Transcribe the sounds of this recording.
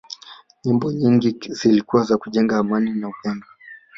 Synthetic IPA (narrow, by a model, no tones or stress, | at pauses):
ɲimbɔɲiŋɡizilikuwazakuʄɛŋɡaːmaninauhɛŋda